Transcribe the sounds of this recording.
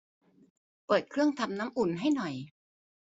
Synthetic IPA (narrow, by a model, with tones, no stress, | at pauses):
pɤː˨˩t̪̚kʰɾɯ˥˩əŋt̪ʰa˧mna˦˥mʔu˨˩nɦa˥˩jnɔ˨˩j